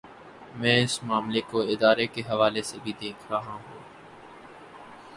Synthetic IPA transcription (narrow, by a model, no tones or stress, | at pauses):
mɛ̃ːɪsmaːmlekoɪd̪aːɾekeɦɐʋaːlesebʱid̪eːkʰɾɐɦãɦũː